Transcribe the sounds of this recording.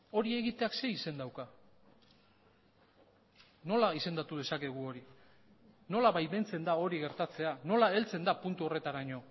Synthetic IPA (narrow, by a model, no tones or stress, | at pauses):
o̞ɾie̞ɣit̪e̞akse̞ise̞nd̪awka | no̞laise̞nd̪at̪uð̞e̞sake̞ɣ̞uo̞ɾi | no̞laβajβe̞nt͡se̞nd̪ao̞ɾiɣe̞ɾt̪at͡se̞ano̞lae̞lt͡se̞nd̪apunt̪uo̞re̞t̪aɾaɲo̞